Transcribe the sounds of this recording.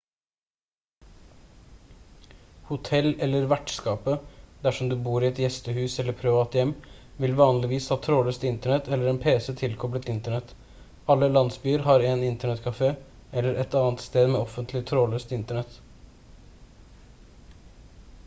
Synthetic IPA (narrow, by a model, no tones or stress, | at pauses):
hʊt̪ʰɛlɛlːəɾʋæʈskɑːpəd̪æʂɔmd̪ʉbuːɾɪɛt̪jɛst̪əhʉːsɛlːəɾpʰɾɪʋɑːt̪jɛmː | ʋɪlʋɑːnlɪʋiːshɑːt̪ʰɾoːløːst̪ɪnt̪əɳɛt̪ɛlːəɾɛːnpʰeːsət̪ʰɪlkʰɔblət̪ɪnt̪əɳɛt̪ | ɑlːəlɑnsbyːəɾɦɑɾeːnɪnt̪əɳɛt̪kʰɑfeː | ɛlːəɾʔɛt̪ɑːnt̪st̪eːd̪mɛːɔfənt̪ʰlɪt̪ʰɾoːløːst̪ɪnt̪əɳɛt̪